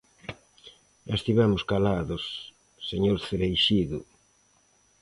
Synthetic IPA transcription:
est̪iβɛmʊskalaðʊsː | eɲoɾθeɾejʃiðʊ

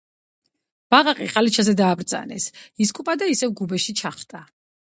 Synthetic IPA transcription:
b̥aʁaqʼḭqʼalit͡ʃʰazɛd̪aːbɾd̪za̰nɛ̰sis̬kʼupʼad̪aisɛvɡubɛʃit͡ʃʰaχt̪ʼa

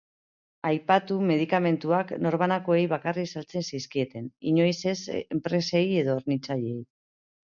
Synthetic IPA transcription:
ajpat̪ume̞ðikame̞nt̪uakno̞ɾβanako̞e̞jβakarisalt͡se̞nsiskie̞t̪e̞niɲo̞jse̞sempɾe̞se̞je̞ðooɾnit͡saʎe̞j

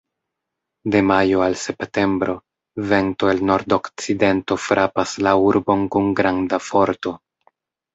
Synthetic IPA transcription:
de̞majoalse̞pte̞mbɾo̞ | ve̞ntoelno̞ɾdo̞kt͡side̞nto̞fɾʔapaslauɾbo̞nkunɡɾandafo̞ɾto̞

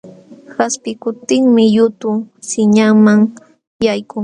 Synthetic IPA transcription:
haspɪkʊt̪ɪŋmɪjʊt̪ʊsɪɲaŋmaŋ | jajkʊŋ

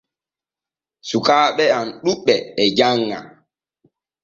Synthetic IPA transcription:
sukaːɓɛanɗuɓːɛɛd͡ʒaŋːa̰

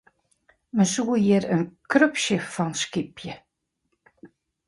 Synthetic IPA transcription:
mənsuəjɪɾənkrøpʃəfɔnskipʰjə

